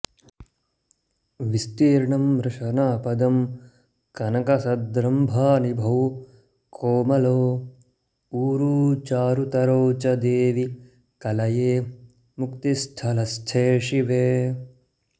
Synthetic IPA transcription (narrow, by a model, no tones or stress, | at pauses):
ʋist̪iːɾɳɐmɾɨʃɐnaːpɐd̪ɐm | kɐnɐkɐsɐd̪ɾɐmbʱaːnibʱɐw | kʰoːmɐloː | uːɾuːt͡ʃaːɾut̪ɐɾoːt͡ʃɐd̪eːʋi | kɐlɐjeː | mukt̪ist̪ʰɐlɐst͡ʃʰeːʂiʋeː